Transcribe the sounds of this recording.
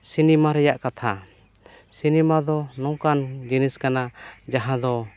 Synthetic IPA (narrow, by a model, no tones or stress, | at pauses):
sinɛmaɾɛjaʔkat̪ʰa | sinɛmad̪ɔnɔŋkand͡ʒiniskanad͡ʒaɦãd̪ɔ